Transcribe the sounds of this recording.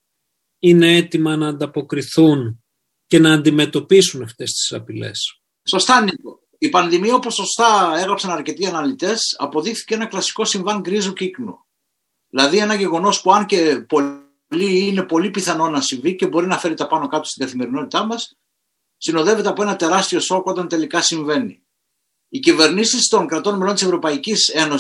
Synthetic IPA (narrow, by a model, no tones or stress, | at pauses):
ine̞et̪imɐnɐːnd̪ɐpo̞kɾiθun | cenɐːnd̪ime̞t̪o̞pisunɐft̪e̞st̪i̥sɐpile̞̰s | so̞st̪ɐnit̪o̞ | ipɐnðimiɐopo̞so̞st̪ɐe̞ɣɾɐpsɐnɐɾce̞t̪iɐnɐlit̪e̞sɐ̰po̞ðixθi̥ce̞enɐklɐsi̥ko̞siɱvɐŋɡɾizuciknṵ | ðilɐðie̞nɐʝe̞ɣo̞no̞spuɐnce̞po̞ | liːne̞po̞lipiθɐno̞nɐsiɱvice̞bo̞ɾinɐfe̞ɾit̪ɐpɐno̞kɐt̪o̥st̪iɡ̪ɐθime̞ɾino̞t̪it̪ɐmɐsː | ino̞ðe̞ve̞t̪eɐpo̞e̞nɐt̪e̞ɾɐst̪io̞so̞ko̞t̪ɐnt̪e̞likɐsiɱve̞nḭː | cive̞ɾnisist̪o̞ŋkɾɐt̪o̞nmelo̞nt̪isvɾo̞pɐicise̞no̞